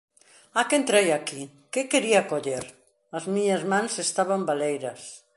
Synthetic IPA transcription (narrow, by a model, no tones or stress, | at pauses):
akent̪ɾejaki | kɪkeɾiakoʎeɾ | ɐzmiɲɐzmãŋsest̪aβambalejɾɐs